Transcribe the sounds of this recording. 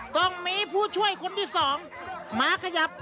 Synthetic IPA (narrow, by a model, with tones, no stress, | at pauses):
t̪ɔ˥˩ŋmiː˧˥pʰuː˥˩t͡ɕʰu˥˩əjkʰo˧nt̪ʰiː˥˩sɔː˩˦ŋ | maː˨˧˥kʰa˧ja˨˦p̚